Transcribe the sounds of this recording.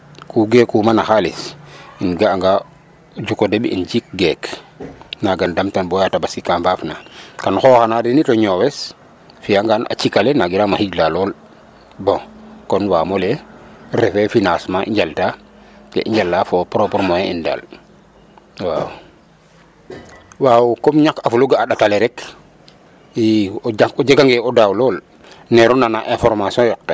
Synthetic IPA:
kuɡɛkːumanaxalisinɡaːŋɡa | d͡ʒukɔdebḭnd͡ʒik̚ɡɛk | naɡandamtanbɔjatabasikamvaːfnakanxɔxanadinitɔɲɔwɛs | fiaŋɡana̰t͡ʃikalɛnaɡiɾamahiɟlalɔːl | bɔ̃kɔnwaːmɔlɛrɛfɛfinasmaʔḭɲɟalta | kɛ̰ʔiɲd͡ʒalːafɔpɾɔpɔɾmɔjɛḭnda̰l | wa̰w | wawukɔmɲakafuluɡaːɗatalɛɾɛk | iɔaɔd͡ʒaɡaŋɡɛɔdawlɔːl | nɛɾɔnanaʔɛ̃fɔɾmasijɔ̃jɔk̚ta

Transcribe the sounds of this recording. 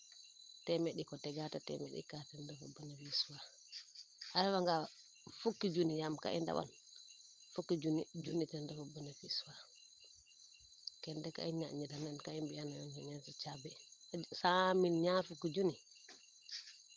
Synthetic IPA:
tɛmɛɗikɔtɛɡatatɛ̰mɛ̰ɗḭkatɛndɛfɔbːɔnafiswa | ʔaɾawaŋɡa | fukːid͡ʒunijamka̰ʔḭnda̰wɔ̰n | fukːid͡ʒunid͡ʒunitɛndɛfɔbːɔnafiswa | kɛndɛka̰iɲa̰ɲidanankaimbianajɔɲd͡ʒɛɲantit͡ʃabɛsaminɲaɾfukːid͡ʒuni

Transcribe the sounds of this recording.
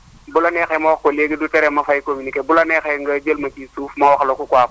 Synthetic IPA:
bulanɛxɛmawaxkoleɡidutɛɾɛmɐfajkominikebulanɛxɛŋɡad͡ʒəlmɐt͡ʃisuːfmawaxlokukwap

